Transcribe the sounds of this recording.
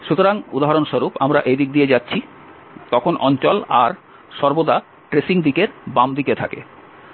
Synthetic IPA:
ʃut̪oɾaŋud̪aɦaɾonʃoɾupamɾaʔed̪ik̚d̪ijed͡ʑatːɕʰi | t̪ɔkʰonʔɔnt͡ɕɔla̰ɾ | ʃɔɾbod̪a | ʈɾesiŋd̪ikeɾbamd̪iket̪ʰakḛ

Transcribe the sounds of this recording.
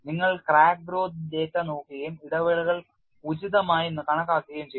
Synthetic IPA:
niŋːɐɭkraːk̚bɾo̞ːd̪indeːtːɐnoːkːiɣɐjumiɽɐʋɐɭuɣɐɭ | ud͡ʑiðɐmaːjenːɨkɐɳɐkːaːkːiɣɐjumt͡ɕej

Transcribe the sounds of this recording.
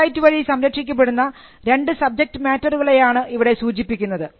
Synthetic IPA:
jitːɨʋɐɻisɐmɾɐkʂikʲːɐp̬ːe̞ɽunːɐ | ɾe̞ɳɖɨsɐb̚d͡ʑe̞k̚ʈɨmaːtːɐruɣɐɭe̞jaːɳɨʔiʋiɽe̞suːd͡ʑipːikʲːunːɐðɨ

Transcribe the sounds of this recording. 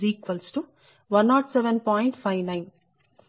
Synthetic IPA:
iːkʋɐlsʈu | ʋɐnaːʈsɛʋenpɔːjɳʈpʰajʋnajn

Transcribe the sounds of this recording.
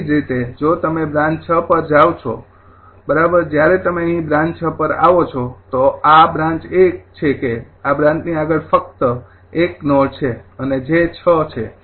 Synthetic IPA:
d͡ʒɾit̪ed͡ʒot̪əmebɾãɲt͡ʃt͡ʃʰəpəɾd͡ʒaʋt͡ʃʰo̰ | bəɾabəɾd͡ʒjaɾet̪əmeəɦĩbɾãɲt͡ʃʰəpəɾa̰ʋot͡ʃʰot̪oabɾãɲt͡ʃekt͡ʃʰekeabɾãɲt͡ʃniaɡəɭfək̚t̪ə | eknoɽt͡ʃʰeəned͡ʒet͡ʃʰət͡ʃʰe

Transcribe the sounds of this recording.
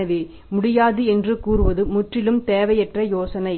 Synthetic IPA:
ɐʋeː | mʊɽɪjaːðɯɛndrɯkuːrɯʋɐðɯmʊʈrɪlɯmt̪eːʋɐjɛʈrɐjoːsɐnɐɪ

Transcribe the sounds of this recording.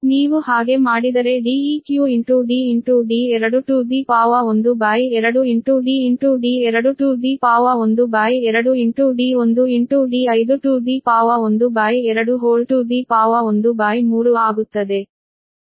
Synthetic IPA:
niːʋuhaːɡe̞maːɽid̪ɐɾe̞ɖiːiːkjuiɳʈuɖiːiɳʈuɖiːɛɾɐɽuʈuːɖiːpaːʋɐond̪ubaːjɛɾɐɽuiɳʈuɖiːiɳʈuɖiːɛɾɐɽuʈuːɖiːpaːʋɐond̪ubaːjɛɾɐɽuiɳʈuɖiːond̪uiɳʈuɖiːɐjd̪uʈuːɖiːpaːʋɐond̪ubaːjɛɾɐɽuɦoːlʈuːɖiːpaːʋɐond̪ubaːjmuːɾuaːɡut̪ːɐd̪e̞

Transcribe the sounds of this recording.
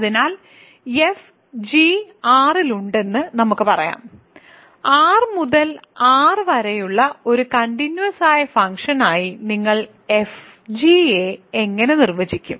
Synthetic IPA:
ɐðinaːl | e̞f | d͡ʑiaːriluɳɖe̞nːɨnɐmukːɨpɐrɐ̰ja̰ːm | aːrmuðɐlaːrɨʋɐɾɐjuɭːɐo̞ɾukɐɳɖinjuwɐsaːjɐfɐŋkʂɐnaːjiniŋːɐɭ | e̞f | d͡ʑiee̞ŋːɐne̞nirʋɐd͡ʑikʲːum

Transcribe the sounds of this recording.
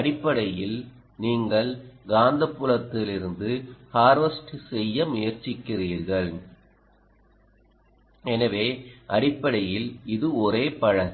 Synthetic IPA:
ɐɽɪpːɐɽɐjɪl | niːŋɡɐɭɡaːnd̪ɐpːʊlɐt̪ːɪlɪɾɯnd̪ɯhaːɾʋɐsʈɯsɛjːɐmʊjɐɾt͡ʃːɪkːɪriːɾɣɐɭ | ɛnɐʋeːʔɐɽɪpːɐɽɐjɪlɪðɯɔɾeːpɐɻɐ

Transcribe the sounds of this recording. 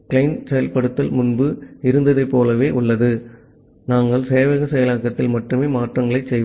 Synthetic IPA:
kɪlɐɪnsɛjɐlpɐɽɯt̪ːɐlmʊnbɯɪɾɯnd̪ɐðɐɪpːoːlɐʋeːʔʊɭːɐðɯ | naːŋɡɐɭseːʋɐɣɐsɛjɐlaːkːɐt̪ːɪlmɐʈrɯmeːmaːʈrɐŋɡɐɭɐɪt͡ʃsɛj

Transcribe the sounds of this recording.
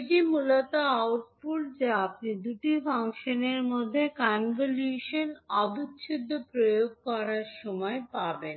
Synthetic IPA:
d͡ʑimulot̪aawʈ̚puld͡ʑeap̚nid̪uʈifaŋʃoneɾmod̪ʱːekanvoljuʃonɔd̪ut̪ɕʰud̪ʱːopɾojoɡ̚kɔɾaɾʃɔmɔepaben

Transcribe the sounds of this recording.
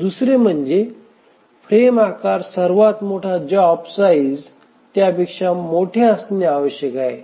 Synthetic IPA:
d̪usɾem̤əɳd͡ʑe | fɾemakaɾsəɾʋat̪moʈʰad͡ʑɔbsaid͡z | t̪japikʂamoʈʰeəsneaʋəɕjəkae

